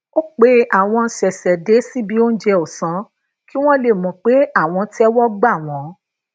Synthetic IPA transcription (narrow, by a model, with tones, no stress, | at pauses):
o˦k͡pe˦a˦˨w̃ɔ̃˧n̩˦sɛ˨sɛ˨de˨˦si˦bi˧˦o˦n̩˦d͡ʒɛ˧o˨sã˨˦ | ki˦w̃ɔ̃˦le˦˨mɔ̃˨˦k͡pe˨˦a˦˨w̃ɔ̃˧ti˦ɛ˦wɔ˦ɡ͡ba˦˨w̃ɔ̃˨˦